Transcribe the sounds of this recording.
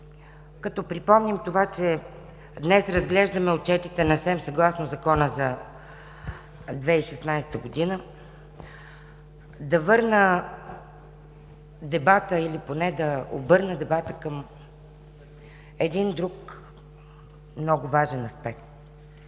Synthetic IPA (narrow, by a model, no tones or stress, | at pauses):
kɐt̪ɔpɾipɔmnimt̪ovat͡ʃɛ | d̪nɛsɾɐzɡlɛʒd̪əmɛot͡ʃɛt̪it̪ɛnɐsɛmsɐɡlˠasnozɐkɔnəzɐ | d̪vɛiʃɛsnajst̪əɡod̪inə | d̪ɐvɤɾnə | d̪ɛbat̪əiliponɛd̪ɐo̰bɤɾnəd̪ɛbat̪əkəm | ɛd̪ind̪ɾuk | mnɔɡʊvaʒɛnɐspɛk̚t̪